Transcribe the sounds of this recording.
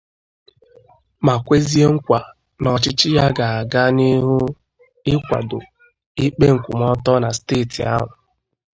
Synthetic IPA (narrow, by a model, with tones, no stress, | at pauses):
ma˨kʷe˦zi˦e˦ŋ̩˦kʷa˨ | nɔ˨t͡ʃɪ˦t͡ʃɪ˦ja˦ɡa˨a˨ɡa˦ni˦ɦʊ˦ | ɪ˦kʷa̰˨do˨ | ɪ˦k͡pe˦ŋ̩˨kʷu˨m˦ɔ˦tɔ˦na˨steː˦˨tʰḭ˨a̰˦ɦʊ˨